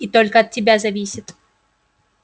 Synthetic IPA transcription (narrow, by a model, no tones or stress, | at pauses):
it̪olʲkəɐt̪̚ʲtʲɪbʲazɐvʲisʲɪt̪